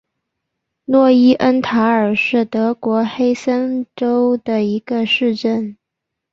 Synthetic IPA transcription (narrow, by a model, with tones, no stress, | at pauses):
nwɔ˥˩i˥ʔə˥nt̪ʰa˧˥ə˞˨˩ʂɻ̩˥˩t̪ɤ˧˥kwɔ˧˥xe˥ɪsə˥nʈ͡ʂo˥ʊd̪ə˨i˧˥ɡ̥ə˧ʂɻ̩˥˧ʈ͡ʂə˥˩n